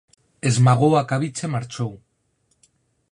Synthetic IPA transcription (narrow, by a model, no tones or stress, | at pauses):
e̞zmaɣoakaβit͡se̞maɾt͡ʃow